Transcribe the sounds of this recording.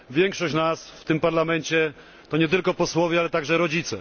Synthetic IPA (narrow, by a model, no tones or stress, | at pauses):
vʲjɛŋkʂɔɕt͡ɕnasft̪ɘmpaɾlamɛɲt͡ɕɛ | t̪ɔɲɛt̪ɘlkɔpɔswɔvʲjɛalɛt̪aɡʐɛɾɔd͡ʑit̪sɛ